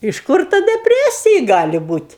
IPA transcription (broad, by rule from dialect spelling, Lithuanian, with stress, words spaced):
ɪʃ ˈkʊr ˈtɐ dʲɛˈpʲrʲæːsʲɪjɪ ˈɡɑːlʲɪ ˈbuːtʲ